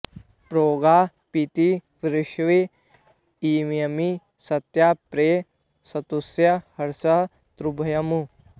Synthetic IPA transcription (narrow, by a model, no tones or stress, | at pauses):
pɾoːɡa | pit̪iʋɾɪʃʋe | imjɐmi | sɐt̪japɾeː | sɐt̪usjɐhɐɾsɐ | t̪ɾubʱɐjɐmu